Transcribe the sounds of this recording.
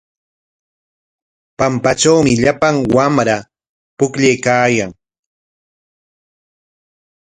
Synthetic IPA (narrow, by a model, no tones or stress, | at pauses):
pampat͡ʃawmɪʎapaŋwamɾa | pʊkʎejkaːjaŋ